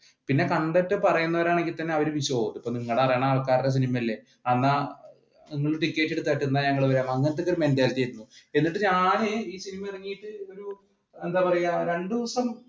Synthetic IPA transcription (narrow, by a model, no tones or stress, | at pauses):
pinːe̞kɐɳɖetːɨpɐrɐjunːɐʋɐɾaːɳe̞ŋɡilt̪ɐnːe̞ɐʋɐɾeʋiɕoːd̪ipːoːniŋːɐɭɽepɐrɐjaːɳaɐlkːaːɾiɾes̬inimɐilːe̞ | ɐnːa | niŋːɐɭʈikːeːtːeɽut̪ːɐʈːend̪aːɲɐŋːɐɭʋɐɾaːmɐŋːenɐt̪ːo̞kːoɾumend̪aːlɐt̪iɐjɾunːue̞nːiʈːɨɲaːneiːsinimɐirɐŋːijiʈːɨo̞ɾu | e̞nd̪aːpɐrɐjaɾe̞ɳɖɨʋɐsɐm